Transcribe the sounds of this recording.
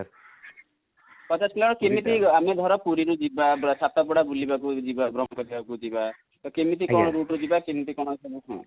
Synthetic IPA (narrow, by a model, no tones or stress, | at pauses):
kɔt̪aslɔɽ̃ɔkemit̪iamed̪ʱɔɾɔpuɾiɾud͡ʒibasat̪apuɽabulibakud͡ʒibabɾɔmɔkɔɾibakud͡ʒiba | t̪ɔkemit̪̬ikɔɽ̃ɔɾuʈɾud͡ʒibakemit̪̬ikɔɽ̃ɔsɔbut̪ʰã̰